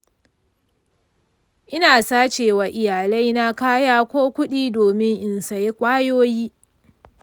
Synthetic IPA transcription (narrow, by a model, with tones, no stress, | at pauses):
ʔɪ˦naː˨saː˦t͡ʃeː˨wa˨ʔɪ˨jaː˨la˦jna˦kaː˦jaː˦kʷoː˦kʷʊ˦ɗiː˦doː˨mɪ˦ŋʔɪ˨nsa˨je˦kʷʼaː˦joː˦jiː˦